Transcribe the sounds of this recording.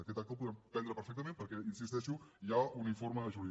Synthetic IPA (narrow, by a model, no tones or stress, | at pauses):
əkɛt̪ak̚t̪op̬uðɾɛmpɛnd̪ɾəpəɾfɛk̚t̪əmẽmpəɾkɛinsist̪ɛʃuʒaunifoɾməðəʒuɾi